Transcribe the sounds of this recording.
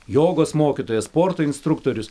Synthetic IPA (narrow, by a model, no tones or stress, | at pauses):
joːɡoːsmoːkʲit̪oːjɛsspoːɾt̪oːɪnʲst̪ɾʊkt̪oːɾʲʊs